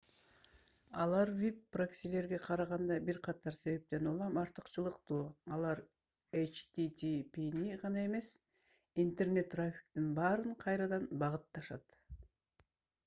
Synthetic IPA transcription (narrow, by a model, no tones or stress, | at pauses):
ɑlˠɑɾvʲipːraksʲile̞ɾɡe̞qʰɑɾɑʁɑnd̪ɑbiɾqʰɑt̪ɑɾse̞βe̞p̚t̪e̞nulˠɑmɑɾt̪ɯ̥qt͡ʃɯlˠɯqt̪uːɑlˠɑɾ | et͡ʃt̪it̪ʲipiniʁɑnɑe̞me̞s | int̪erne̞t̪ːrafʲi̥k̚t̪inbɑːɾɯɴqʰɑjɾɑd̪ɑnbɑʁɯt̪ːɑʃɑ̰t̪